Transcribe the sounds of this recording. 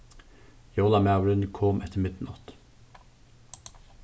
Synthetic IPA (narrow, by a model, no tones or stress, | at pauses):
jolɑmæʋɾʏnkʰɔmʔɛt̪ʰəmɪt̪n̩ʔɔt̪